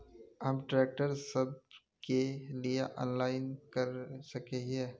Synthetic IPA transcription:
ɦɐmʈɾeːk̚ʈəɾsɐb̚ | kelieʔɔ̰̃ːnlaːɪnkɐɾsɐkeɦɦɛ̃ː

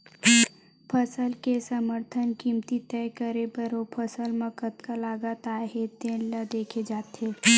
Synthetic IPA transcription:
pʰəsəlkesəməɾt̪ʰənkiːmt̪it̪ɛːkəɾebəɾopʰəsəlməkət̪kalaːɡat̪aːɦed̪ẽːnlad̪eːkʰed͡ʒaːt̪eː

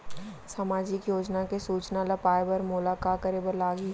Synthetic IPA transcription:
samaːd͡ʒɪkjoːd͡ʒnakesuːt͡ʃnalɐpaːebəɾmʊlaːkaːkəɾebəɾlaːɡi

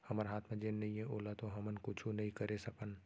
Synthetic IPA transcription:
hɐməɾɦaːt̪ʰmẽd͡ʒeːnːɐɦĩɦɛ̃ʔoːlat̪oɦɐmənkʊt͡ʃʰũnɐɦĩkəɾesɐkən

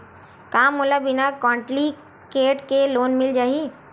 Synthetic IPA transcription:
kamulabɪnakɔ̃ːɳʈli | keːʈkeloːnmɪld͡ʒaːɦi

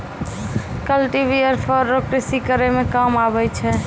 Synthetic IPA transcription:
kəlʈibiəɾpʰəɾːokɾesikəɾemekamabɛt͡ʃʰɛ

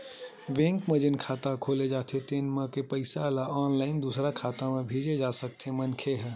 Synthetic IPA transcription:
ʋẽːŋkməd͡ʒɪnkʰaːt̪akʰoːled͡ʒaːt̪ʰet̪eːnmẽkepəɪsalaɔːnlaːɪnd̪uːsɾakʰaːt̪amẽbʱiːd͡ʒed͡ʒaːsək̚t̪ʰemənkʰeɦɛ

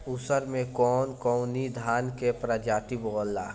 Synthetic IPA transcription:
usəɾmẽkɔːnkɔʊnid̪ʱaːnkepɾəd͡ʒaːt̪iboːlːaː

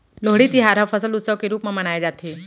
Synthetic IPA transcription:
loɦɽiːt̪iːɦaɾəʋfəsəlut̪səʋkeɾuːpməməɽ̃ajd͡zat̪ʰe

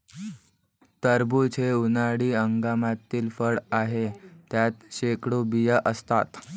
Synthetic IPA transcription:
t̪əɾbut͡ɕʰeunaɽiːəŋɡamat̪ːiːlfəɽaɦet̪jat̪ɕekɽobijəʔəst̪a̰t̪

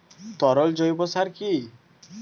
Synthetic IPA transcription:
t̪ɔɾɔld͡ʒɔibɔsaɾkʰi

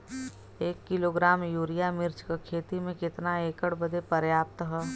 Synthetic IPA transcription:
eːkːɪloːɡɾaːmjuːɾijamɪɾt͡ʃkakʰeːt̪imẽkɪt̪naeːkəɽbəd̪epəɾjaːp̚t̪ɦɛː

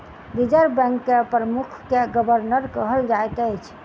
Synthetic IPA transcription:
bid͡ʒəɾbɛ̃ŋkːepɾəmukʰkeɡəbəɾnəɾkəɦəld͡ʒaet̪əjt͡ʃʰ

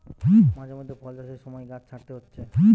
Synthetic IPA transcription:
ɦĩmad͡ʑamod̪ʱːepʰɔld̪aʃeɾʃɔmɔeɡat͡ɕʰaʈt̪eɦotːɕʰeɦĩ

